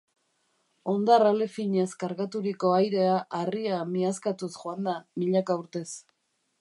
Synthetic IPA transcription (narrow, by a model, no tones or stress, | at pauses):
o̞nd̪aralefiɲeskaɾɣat̪uɾiko̞ajɾe̞aʔariamiaskat̪usʝoand̪amiʎakauɾt̪e̞s